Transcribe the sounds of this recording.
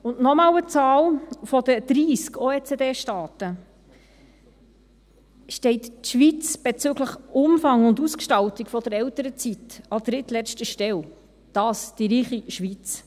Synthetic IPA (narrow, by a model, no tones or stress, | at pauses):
ʊntnɔmɑːwət͡sɑːlfɔdəd̪̥ɾiːskʰoeːt͡sedeːʃtɑːtə | ʃtɛɪtʃʋit͡sb̥et͡søɡləχʊmfɑŋʊnduskʃtɑltikfɔd̥əɾɛltəɾət͡sitɑd̪̥ɾɪtlɛt͡stəʃtɛl | d̥ɑːsd̥iɾiːχiʃʋit͡s